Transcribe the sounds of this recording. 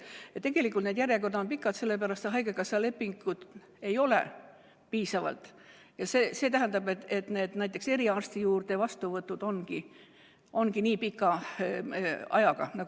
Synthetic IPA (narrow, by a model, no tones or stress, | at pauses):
t̪e̞ɡe̞likult̪ned̪jæɾjekord̪ɑonpikːˑɑd̪se̞lːe̞pæɾɑst̪et̪ɦɑjɡekɑsɑle̞pːiŋɡ̥ud̪̥ | e̞jo̞lḛ | piːsɑvɑ̰lt̪ˑ | jɑseːse̞ːt̪æɦænd̪ɑbet̪et̪ne̞ːd̪̥næjt̪ːˑe̞kse̞ɾiɑrst̪ijuːrd̪̥e̞vɑst̪uvɤt̪ːˑud̪̥o̞nɡ̥i | o̞nɡiniːpikːˑɑ | ɑ̰jɑɡ̥ɑ̰nɑɡ